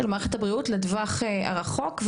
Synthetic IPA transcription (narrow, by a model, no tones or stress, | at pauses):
elmaʁeχet̪habʁiutledvaχea̰ʁaχo̞kv